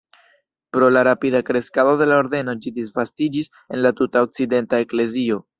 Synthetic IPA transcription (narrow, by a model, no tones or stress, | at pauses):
pɾo̞laɾapidakɾe̞skado̞de̞lao̞ɾde̞no̞d͡ʒidisvastid͡ʒis | e̞nlatutaok̚t͡side̞ntae̞kle̞zio̞